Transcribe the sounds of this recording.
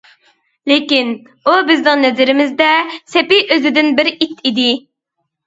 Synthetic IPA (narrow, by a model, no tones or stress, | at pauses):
lekʲin | ubɪznɪŋnɛzɪɾɪmɪzd̪ɛsɛpɪʔøzɪd̪ɪnbɪɾit̪ʰid̪ɪ